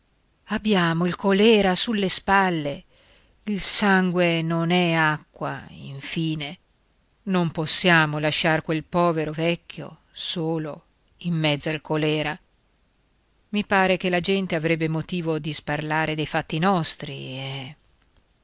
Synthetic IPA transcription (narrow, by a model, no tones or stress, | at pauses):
abːjaːmoilkolɛːɾasulːespalːe | ilsaŋɡwenonɛakːwa̰ḭɱfiːne | nomposːjaːmolaʃːarkwelpɔːveɾovɛkːjo̰ | soːlo̰ | imːɛd̪zːoalkolɛːɾa | mipaːɾek̟elad͡ʒɛnt̪eavɾɛbːemot̪iːvod̪isparlaːɾed̪ejfat̪ːinɔst̪ɾiɛ